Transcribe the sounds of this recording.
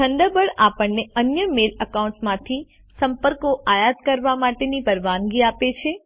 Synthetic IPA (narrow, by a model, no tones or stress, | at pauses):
t̪ʰəɳɖ̪əbəɽapəɳːeənjəmeləkaũɳʈsmãt̪ʰi | səmpəɾkoʔajat̪kəɾʋamaʈenipəɾʋanɡiapet͡ʃʰe